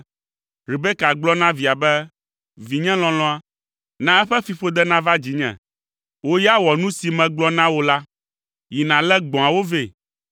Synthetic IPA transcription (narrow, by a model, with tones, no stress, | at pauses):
ɾi˨bɛ˦ka˨ɡ͡blɔ˦nã˦vi˨a˨bɛ˦ | vi˨ɲɛ̃˦l̃ɔ̃˨lɔ̃˦a˦ | nã˦ɛ˦ɸɛ˦fi˨ɸo˦d̪ɛ˦nã˦va˦d͡ʑi˨ɲɛ̰̃˨ | wo˦ja˦wɔ˨nũ˦si˨mɛ̃˨ɡ͡blɔ˦nã˦wo˦la˦ | ji˨nã˨lɛ˦ɡ͡bɔ̃˨a˨wo˦ve˦˨